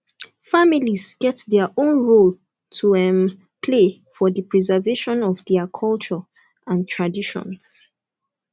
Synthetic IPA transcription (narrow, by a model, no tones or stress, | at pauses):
familizɡ̥ɛtðɛʔõnɹol | tʰuɛ̃m | pʰle | fɔðəpʰɹizəveʃɔ̃nɔvdɛəkʰɔlt͡ʃə | ãntʰɹ̥adiʃɔ̰̃ns